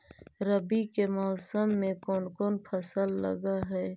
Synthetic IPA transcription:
ɾɐbikemɔːsəmːẽkoːnkoːnpʰɐsəlːɐ̰ɡaɦɛː

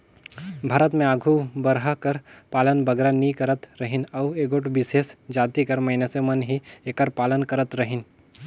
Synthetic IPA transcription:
bʱaːɾət̪mẽaːɡʱubɐɾɦakɐɾpaːlənbɐɡɾanikɐɾət̪ɾɐɦɪnɐʋeːɡoʈbɪseːsd͡ʒaːt̪ikɐɾmɐɪnesemɐnɦieːkəɾpaːlənkɐɾət̪ɾɐɦɪn

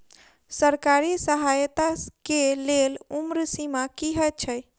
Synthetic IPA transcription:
səɾkaɾisəɦajt̪akelelumɾsimakiɦət͡ʃʰəj

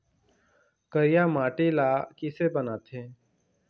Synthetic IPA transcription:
kəɾɪjaːmaːʈiːlaːkiseːbənaːt̪ʰẽː

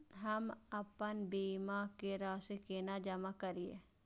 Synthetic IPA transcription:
ɦəməpənbiːmakeɾaːsekeːnad͡ʒəmakəɾiḛ

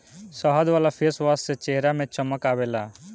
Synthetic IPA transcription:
səɦəd̪ʋaːlapʰeːsʋasset͡ʃeɦɾamẽt͡ʃəməkaːʋeːlaː

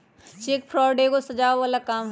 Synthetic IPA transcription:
t͡ʃeːkpʰɾɔːɖekosɐd͡ʒaːʋʋaːlakaːm

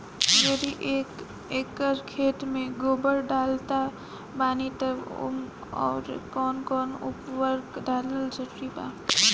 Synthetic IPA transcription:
jeɾiʔe | eːkːəɾkʰeːʈmẽɡoːbəɾɖaːlt̪a | baːnit̪əʋʊ̰m | ɔ̰ːɾkɔːnkɔːnʊ̰pʋəɾɡɖaːləld͡ʒəɾɾipa̰ː

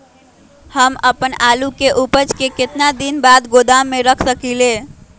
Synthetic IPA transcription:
həməpənalukeʔupəd͡ʒkeket̪nad̪inbad̪ɡod̪amːeɾəkʰsəkile

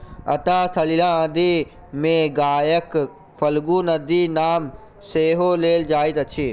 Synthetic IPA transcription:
ɐ̰t̪aːsəlilãːd̪iː | mẽɡaːjək | fɐlɡuːnəd̪iːnaːm | seːɦoːleːld͡ʒaːɪt̪ɐt͡ʃʰeː

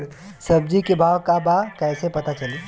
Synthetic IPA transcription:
sɐb̚d͡ʒikebʱaːwkabakɛːsepɐt̪at͡ʃɐliː

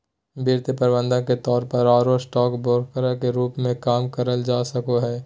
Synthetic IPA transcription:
biːɾt̪əpəɾbə̃nd̪ə̃ket̪ɔːɾpəɾaːɾosʈɔːkbɔːɾkəɾakeɾuːpmẽkaːmkəɾəld͡ʒaːsəkoɦɛː

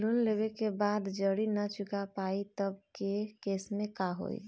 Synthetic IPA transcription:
lunlebekebad̪d͡ʒəɽinət͡ʃukapait̪əbkekesmẽkaɦo̰ḭ

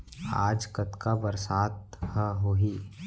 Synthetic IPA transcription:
a̰ːd͡ʒkət̪kabəɾsaːt̪həɦoɦiː

